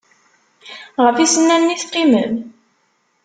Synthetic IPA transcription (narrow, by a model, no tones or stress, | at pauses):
ʁəfisənːænːiθqːimən